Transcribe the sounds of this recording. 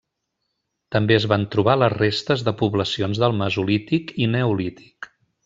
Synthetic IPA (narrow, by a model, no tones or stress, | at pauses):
t̪əmbeəzβant̪ɾuβ̞aləzrest̪əzðəpuβləsionzðəlˠməzulit̪ikinəulit̪i̥k